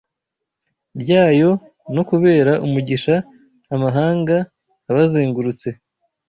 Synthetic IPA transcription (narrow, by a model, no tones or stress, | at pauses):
bɟaːjo̞ | no̞kuβe̞ːɾaʔumuɟiʃaː | maɦaːŋɡaː | βaziːŋɡuɾut͡se̞